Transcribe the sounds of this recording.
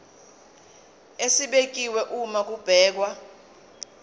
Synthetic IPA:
esiɓek̬ʼiwɛʔumak̬ub̥ʱɛːk̬wa

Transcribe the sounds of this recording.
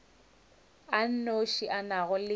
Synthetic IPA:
an̩noʃiʔanaɣʊlɪ

